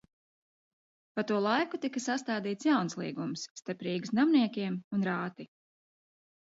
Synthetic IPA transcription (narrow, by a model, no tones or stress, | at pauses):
pat̪uɔlˠajkut̪ikasast̪aːd̪iːt̪sjawnslˠḭːɡumsːt̪aɾpɾiːɡɨsnamniɛkʲiɛmunɾaːt̪i